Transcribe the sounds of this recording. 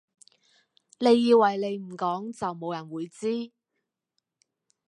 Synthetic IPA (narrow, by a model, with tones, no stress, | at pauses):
le˨˧jːiː˧wːɐ˨˩jle˨˧jm̩˨˩kɔː˨˥ŋt͡sɐ˨wmo˨˧wjɐ˨˩nwuː˨˧jt͡siː˥